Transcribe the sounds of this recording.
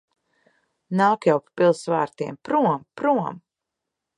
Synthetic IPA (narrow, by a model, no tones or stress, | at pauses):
nawkjawppilˠsvaːɾt̪iɛmpɾuɔmpɾuɔm